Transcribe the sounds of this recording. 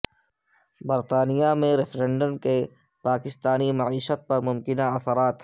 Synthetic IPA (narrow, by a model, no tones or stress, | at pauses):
bɐɾt̪aːnijamẽɾɪfɾɛ̃ɳɖəmke | paːkɪst̪aːnimɐʕiːʃət̪̚pɐɾmʊmkɪnaɐsəɾaːt̪